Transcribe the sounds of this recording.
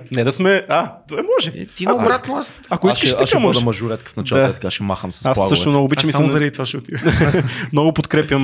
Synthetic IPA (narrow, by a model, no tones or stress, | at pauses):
nɛd̪ɐsmɛat̪oɛmɔʒɛt̪iaɾat̪nˠast̪ɐkoiskəʃʃt̪akamɔʒd̪ɐɛmɐʒʊɾɛt̪kə̥fnɐt͡ʃalˠaət̪ɐ̥kaʃɛma̰xəmsɐ̥saslˠaɡ̪ːʃt̪omnɔɡoːbit͡ʃmismzɐɾɐd̪it̪aʃʊt̪i | mnɔɡʊpot̪kɾɛpjɐm